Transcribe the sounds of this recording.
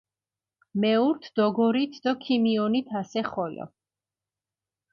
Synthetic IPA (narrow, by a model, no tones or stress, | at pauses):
mɛuɾt̪ʰd̪̥ɔɡɔɾit̪ʰd̪ɔkʰimiɔnit̪ʰasɛχɔlɔ̰